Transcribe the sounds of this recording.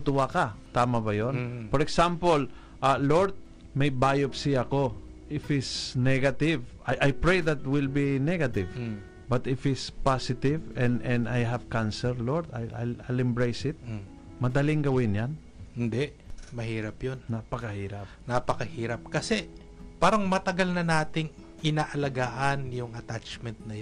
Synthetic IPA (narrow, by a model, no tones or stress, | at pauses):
t̪ʊwakat̪aːmɐbɐjonfɔɾɛksampol | ʔaloɹd̪̚ | mɐjbaːjopsɪɐko̞ʔɪfɪt̪snɛɡɐt̪ɪvʔajʔajpɹejðɐt̪wɪlbinɛɡɐt̪ɪv | bɐt̪ɪfɪt̪spasɪt̪ɪvɛ̃nd̪ɛnd̪ajɦɐvkansɛlloɹd̪a̰jʔa̰jlʔajlɛmbɹejsɪt̪̚ | mɐd̪ɐliŋɡɐwɪnjan | hɪnd̪ɛʔmɐhiːɾɐpjonnapɐkɐhiːɾɐp̚napɐkɐhiːɾɐp̚kɐsɛ | paːɾɐŋmɐt̪ɐɡalnɐnaːt̪ɪŋ | ʔɪnaːʔɐlɐɡaːʔɐnjʊŋɐt̪at͡ʃmɛnt̪̚nɐj